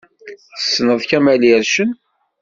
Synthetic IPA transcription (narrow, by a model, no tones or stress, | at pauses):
θə̥sːnəðˤkæmæliæɾʃən